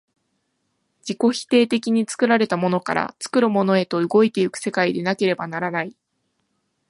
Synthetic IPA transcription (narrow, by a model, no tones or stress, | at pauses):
d͡ʑiko̞çi̥t̪e̞ːt̪e̞kʲiɲ̟it͡sɨ̥kɯ̟ɾaɾe̞t̪amo̞no̞ka̰ɾa̰t͡sɨ̥kɯ̟ɾɯ̟mo̞no̞e̞t̪o̞ɯ̟ɡo̞it̪e̞ɯkɯ̟̥se̞kaid̪e̞nake̞ɾe̞banaɾanai